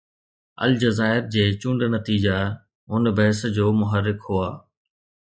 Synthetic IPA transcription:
ɐ̰ld͡ʑɐzaːɪɾd͡ʑeːt͡ɕũɳɖnɐt̪iːd͡ʑa | ʊnbɐɦsd͡ʑoːmʊɦəɾːɪkhuaː

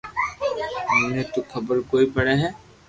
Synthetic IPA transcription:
net̪ukʰɐbəɾkoːipɐɽeɦɛː

